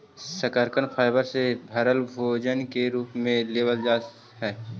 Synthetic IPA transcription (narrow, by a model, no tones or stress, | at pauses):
səkəɾkənpʰaːɪbəɾsebʱɐɾəlbʱoːd͡ʒənkeɾuːpmẽleːʋəld͡ʒaːt | ɦɛː